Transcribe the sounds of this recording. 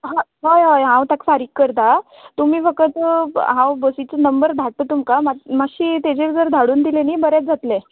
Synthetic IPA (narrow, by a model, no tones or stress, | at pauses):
ɦoɦojɦojɦãwt̪akfaɾiːkːəɾt̪a | t̪um̤iːfəkət̪ɦãwbəsit͡sənəmbəɾd̪ʱaʈ̚t̪ət̪umkamamaɕiːt̪ed͡ʑeɾd͡zəɾd̪ʱaɽuːnd̪ileniːbəɾjat͡s̚d͡zʱat̪le